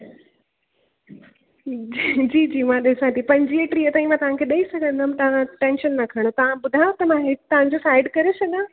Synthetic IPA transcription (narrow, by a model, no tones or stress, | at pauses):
d͡ʑiːd͡ʑiːmãːɗɪsãt̪ʰipɐ̃ɲd͡ʑieʈɾiət̪aːĩmãt̪ɐʋãkʰeɗɐisɐɡʱə̃nd̪ʱəmt̪ɐʋ̤ãʈẽːnʃənːɐkʰɐɽ̃ot̪ɐʋ̤ãɓʊd̪ʱajot̪ɐmãɦɪt̪ɐʋ̤ãɲd͡ʑosaːɪɖkɐɾesɐɡã